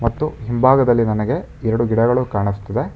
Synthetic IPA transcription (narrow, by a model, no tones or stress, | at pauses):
mɐt̪ːuɦimbʱaːɡɐd̪ɐlːinɐnɐɡe̞ | ɛɾɐɽuɡiɽɐɡɐɭukaːɳist̪ːɐd̪e̞